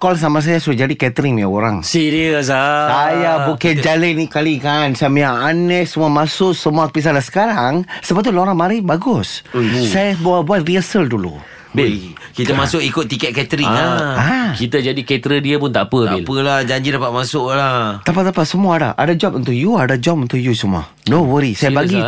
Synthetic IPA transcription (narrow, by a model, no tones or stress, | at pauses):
kɔls̬amas̬ajasuad͡ʒadikɛt̪əɾɪŋaoɾaŋsiɾiəsaajabukɛd͡ʒalənikalikansamijaanɛʔsəmuamasʊʔsəmuapis̬alasə̥kaɾaŋsəbap̚t̪uloɾaŋmaɾɪbaɡʊssajabuabuat̪̚riəsəldulṵ | b | kit̪amasʊkikʊt̪̚ːikɛt̪̚kɛt̪ɾiaakit̪əd͡ʒadikɛt̪ɾədiəpʊnt̪aʔapəabilpəlad͡ʒaɲd͡ʒidapamasʊʔlat̪apat̪apasəmuaːda̰ʔa̰dad͡ʒɔpənt̪̬uʔjuadad͡ʒɔp̚ənt̪ʊʔjusəmua̰ | nõwəɾisajabaɡi